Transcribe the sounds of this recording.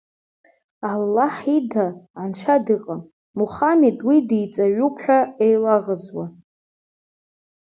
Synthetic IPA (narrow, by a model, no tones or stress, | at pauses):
alːaħidaʕant͡ʃʷʰadɨqʼam | muχametʼwidejt͡sʼaɥupʰħʷᶣaejlaʁəzwa